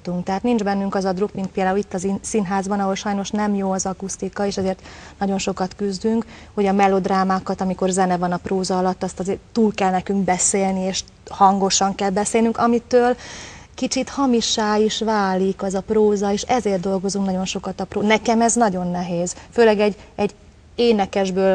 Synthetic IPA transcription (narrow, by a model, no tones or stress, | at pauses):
t̪uŋkt̪ɛɦaːt̪nind͡ʒbɛnːyŋkɒzɒd̪rukmint̪̚peːld̪aːulit̪ːɒzsinɦaːzbɒnɒɦo̞lʃɒjno̞ʃnɛmjoːɒzɒkust̪ikɒeːʃɛzeːrt̪nɒɟo̞nʃo̞kɒt̪kyzd̪yŋkho̞ɟɒmɛlo̞d̪raːmaːkɒt̪ɒmiko̞rzɛnɛvɒnɒproːzɒːlɒt̪ːɒst̪ɒzeːrt̪uːlkɛlnɛkyŋkbɛseːlnieːʃ | hɒŋɡo̞ʃɒŋkɛlbɛseːlnyŋkɒmit̪øːlkit͡ʃit̪hɒmiʃːaːiʃvaːlikɛzɒproːzɒeːʃɛzeːrt̪d̪o̞lɡo̞zuŋknɒɟo̞nʃo̞kɒt̪ɒproːnɛkɛmɛznɒɟo̞nːɛɦeːz̥føːlɛɡɛɟːɛɟː | eːnɛkɛʒbøːl